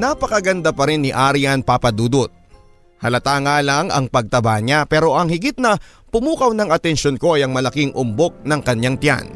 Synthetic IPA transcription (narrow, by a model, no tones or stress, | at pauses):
napɐkɐɡɐnd̪apɐɾɪnːɪʔaɾijɐnpapɐd̪uːd̪ot̪̚ | hɐlɐt̪aːŋaːlɐŋɐ̰ŋpɐɡ̚t̪ɐbaɲapɛːɾo̞ʔɐŋhɪɡit̪̚nɐ | pʊmuːkɐwnɐŋɐt̪ɛnʃonko̞ʔɐjɐŋmɐlɐkɪŋʔʊmbok̚nɐŋkɐɲaŋt̪ja̰n